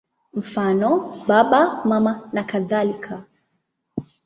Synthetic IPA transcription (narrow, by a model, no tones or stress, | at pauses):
m̩fanɔɓaɓamamanakaðalikʰa